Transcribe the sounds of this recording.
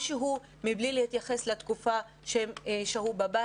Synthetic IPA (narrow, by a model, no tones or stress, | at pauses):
ʃeɦu | miblilehit̪jaχe̞slet̪kufa | ʃeʃeɦubaba